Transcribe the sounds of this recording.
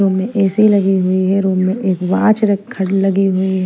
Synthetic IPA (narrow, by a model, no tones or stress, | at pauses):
oːmmẽʔɛːseɦilɐɡiɦuiɦɛɾoːbmẽʔeːkʋãːt͡ʃɾɐkkʰːəɽlɐɡiɦuiɦ